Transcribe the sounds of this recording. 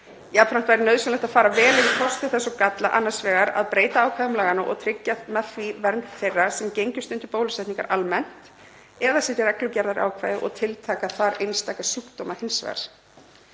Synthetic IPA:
japfɾam̥t̪vajɾɪnœːɥðsʏnlɛht̪afaːɾavɛːlɪðɪkʰɔst̪ɪθɛsːɔkat̪la̰ʔanːḁsvɛːɣaɾa̰ðpɾeːjt̪aaːwkʰvajðʏmlaːɣanʏʔɔ̰ɣt̪ʰɾɪcːamɛfvivɛɾnθejrːasɛmcejɲcʏ̥st̪ʏnt̪ʏpoːwlʏsɛjt̪niŋka̰ɾʔalmɛn̥t̪ | ɛðasɛt̪ɪɾɛklʏcɛɾðaɾʔa̰ːwkʰvaːjðɪ̰ʔɔ̰ɣt̪ʰɪlt̪ʰaːkaθaɾejnst̪akasuːkt̪owmahɪnsvɛ̰ɣa̰ɾ̥

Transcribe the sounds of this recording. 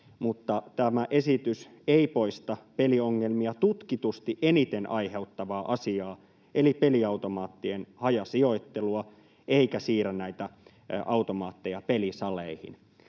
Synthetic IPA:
mut̪ːɑt̪æmæʔe̞sit̪yseipo̞ist̪ɑpelioŋːelmiɑt̪ut̪kit̪ust̪iʔenit̪enʔɑihe̞ut̪ːɑʋɑːʔɑsiɑː | ʔelipeliɑut̪omɑːt̪ːienhɑjɑsio̞it̪ːeluɑ | ʔeikæsiːrænæit̪æ | ʔɑut̪omɑːt̪ːejɑpelisɑleihḭn

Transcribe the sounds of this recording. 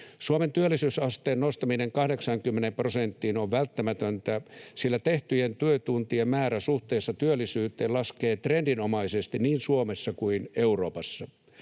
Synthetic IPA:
suoment̪yølːisyːsɑst̪eːnnost̪ɑmineŋkɑhdeksɑŋkymːenemprosent̪ːiːnoʋʋælt̪ːæmæt̪ønt̪æsilːæt̪eht̪yjent̪yøt̪unt̪iemæːɾæsuht̪eːsːɑt̪yølːisyːt̪ˑeːlɑskeːt̪rendinomɑisest̪inniːnsuomesːɑkuineuro̞ːpɑsːɑ

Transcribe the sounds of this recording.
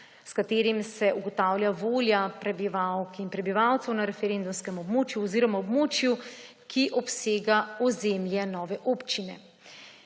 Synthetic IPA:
skat̪eːɾimsɛʔuɡɔt̪aːwljaʋoːljapɾɛbiʋawkinpɾɛbiʋawt̪sɛwnaɾɛfɛɾend̪umskɛmɔbmoːt͡ʃjuɔziːɾɔmaɔbmoːt͡ʃju | kʰiʔɔpseːɡaɔzeːmljɛnɔːʋɛʔoːpt͡ʃinɛ̰

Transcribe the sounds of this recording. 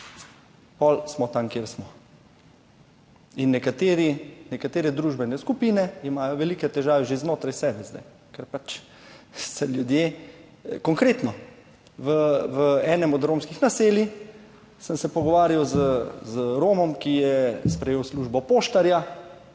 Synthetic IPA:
pɔlsmɔt̪amkjeːɾsmɔ | inːɛkat̪eːɾinɛkat̪eːɾɛd̪ɾuːʒbɛnɛskupiːnɛimaːjɔʋɛliːkɛt̪ɛʒaːʋɛʒeznoːt̪ɾajsɛːbɛzd̪ɛ̰j | kɛɾpat͡ʃ | sɛljud̪je | kɔŋkɾeːt̪nɔ | ʋəʋəɛːnɛmɔd̪ɾoːmskixnaseːli | səmsɛpɔɡɔʋaːɾjawzəzɾoːmɔmkijɛspɾɛjeːwsluːʒbɔpoːʃt̪aɾja

